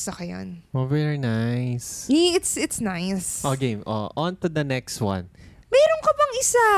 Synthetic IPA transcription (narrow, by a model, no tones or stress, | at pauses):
sɐkɐjo̰nʔovɛɹinajsiɪt̪sɪt̪snajsʔoɡẽjmʔo̰ʔɔ̃nt̪ud̪ɐnɛkst̪̚wɐ̰̃n | mɛːɾonkɐbɐŋɪsa